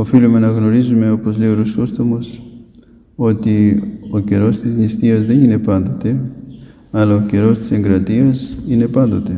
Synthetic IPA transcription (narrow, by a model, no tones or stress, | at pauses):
o̞filume̞nɐɣno̞ɾizume̞o̞po̞zleoɾosost̪omos | o̞t̪io̞ce̞ɾo̞st̪iznist̪iɐzðe̞nine̞pɐnd̪o̞t̪e̞ | ɐlɐoce̞ɾo̞st̪i̥se̞ŋɡɾɐt̪iɐsine̞pɐnd̪o̞t̪e̞